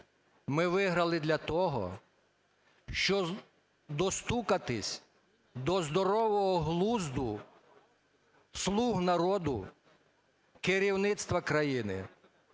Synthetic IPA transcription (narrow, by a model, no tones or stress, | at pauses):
mɪʋɪɦɾɐlˠɪd̪lʲɐt̪ɔɦɔ̰ | ʃt͡ʃɔ | d̪ɔst̪ukɐt̪ɪsʲ | d̪ɔzd̪ɔɾɔʋɔɦɔɦlˠuzd̪ʊ | slˠuɦnɐɾɔd̪ʊ | kɪɾʲiwnɪt̪st̪ʋɐkɾɐjinɪ̰